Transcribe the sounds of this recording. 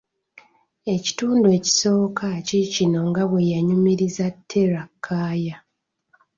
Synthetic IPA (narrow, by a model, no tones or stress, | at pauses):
e̞ci̥tuːndue̞ːci̥so̞ːkʰacicino̞ŋɡaβwe̞jaɲumiɾizatʰːe̞ɾakʰːaːja